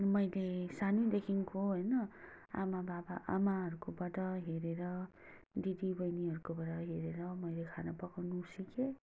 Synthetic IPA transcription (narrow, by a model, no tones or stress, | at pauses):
nmʌjlesanid̪ekʰinkʰoɦʌjnʌ | a̰mababaʔa̰maɦʌɾukobʌʈʌɦeɾeɾʌ | ɖidibʌjniɦʌɾukobʌʈʌɦeɾeɾʌmʌjlekʰanʌpʌkawnusike